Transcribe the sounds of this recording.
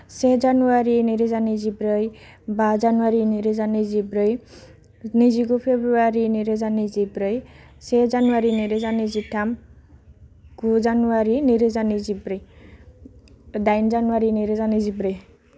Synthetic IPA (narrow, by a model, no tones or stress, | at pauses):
sed͡zanuwaɾiniɾed͡zanid͡zibɾʌj | bad͡zanuwaɾiniɾed͡zanid͡zibɾʌj | nid͡ziɡupʰebɾuwaɾiniɾed͡zanid͡zibɾʌj | sed͡zanuwaɾiniɾed͡zanid͡ziʈʰam | ɡud͡zanuwaɾiniɾed͡zanid͡zibɾʌj | d̪ajnd͡zanuwaɾiniɾed͡zanid͡zibɾʌj